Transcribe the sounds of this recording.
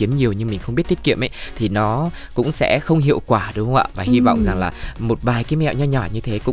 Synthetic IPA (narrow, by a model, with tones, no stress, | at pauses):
i˨˦ənɲi˨˩əwɲɨ˧ŋmi̟˨˩xwŋ͡mɓi˦˥ət̪i˦˥tkḭ˧˨əmʔjt̪ʰi˨˩nɔ˨˦kʊ̰˧˥ŋ͡msɛ̰˧˥xə˧wŋ͡mɦḭ˧˨əwkwaː˧˩ɗʊ˨˦˧wʔa̰ː˧˨vaː˨˩hi˧va̰˧˨wŋ͡mza˨˩ŋlaː˨˩mo˨˩t̚ɓaː˨˩jkiː˨˦mɛ̰˧˨wʔɲɔ˧ɲɔ˨˩ɲɨ˧t̪ʰe˨˦kʊ̰˧˥